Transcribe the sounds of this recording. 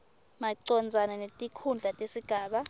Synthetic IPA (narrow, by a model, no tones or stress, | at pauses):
maǀɔnd͡zʱananetʼikʰund͡ɮʱatʼesiɡ̥ʱaːɓa